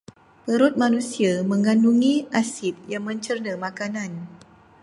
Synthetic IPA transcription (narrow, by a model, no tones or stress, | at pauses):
pəɾʊt̪̚manusiamə̃ŋanduŋiʔasɪt̪̚jaŋmə̃ɲt͡ʃərnəmakanan